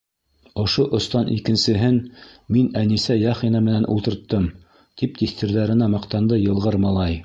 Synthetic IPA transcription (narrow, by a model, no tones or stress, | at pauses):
ŏʃoʔŏst̪ɑnʔḭkɘ̆nsɘ̆ɦɘnminænisæjɑχinɑmɘ̆nænʔṵlˠt̪ɤ̆ɾt̪ːɤm | t̪ʰip̚t̪iθt̪ɘ̆ɾðæɾɘ̆nɑmɑqt̪ɑnd̪ɤjɤ̆lˠʁɤɾmɑlˠɑj